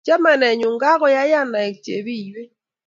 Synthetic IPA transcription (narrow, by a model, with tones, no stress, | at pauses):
d͡ʒa˦mɛ˨nɛ˨ɲʊ˨ŋɡa˦ɣɔ˦ja˦ja˦na˨ɛ˨k̚t͡ʃḛ˨bi˦˨jwe˦